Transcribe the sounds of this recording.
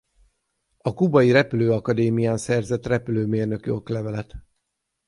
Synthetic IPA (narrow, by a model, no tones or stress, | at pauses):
ɒkubɒjiɾɛpyløːɒkɒd̪eːmijaːnsɛrzɛt̪rɛpyløːmeːrnø̞kyo̞klɛvɛlɛt̪